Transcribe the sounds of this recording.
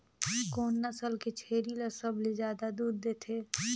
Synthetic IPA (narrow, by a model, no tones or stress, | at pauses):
ɡoːnːəsəlket͡ʃʰeːɾilɐsəblizjaːd̪ad̪uːd̪d̪eːt̪ʰeː